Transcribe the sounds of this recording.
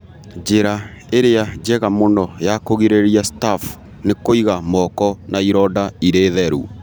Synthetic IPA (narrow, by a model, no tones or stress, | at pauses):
d͡ʒeɾa | eɾead͡ʒɛɣamonɔjakoɣiɾeɾiastaf | nekoiɣamɔkɔnaiɾɔdaiɾeːðɛɾṵ